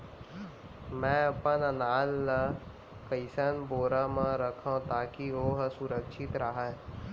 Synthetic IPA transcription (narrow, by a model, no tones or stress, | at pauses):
mɛ̃ːɐpənənaːlːə | kəɪsənboːɾamãɾəkʰãt̪aːkioɦsʊɾəkʃɪt̪ɾəɦa